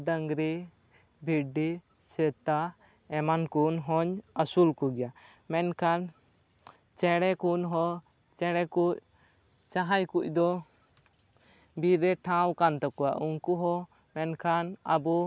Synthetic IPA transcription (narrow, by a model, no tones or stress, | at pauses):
d̪aŋɡɾi | bʱiɖi | sɛt̪a | ɛmankunɦɔɲasulkɔɡɛja | mɛnkʰan | t͡ʃɛɽɛkunɦɔ | t͡ʃɛɽɛkuʔ̚ | t͡ʃaɦajkuʔ̚ˀd̪ɔ | biɾɛʈʰãwkant̪ɔkɔwaʔuŋkuɦɔ | mɛnkʰanabɔ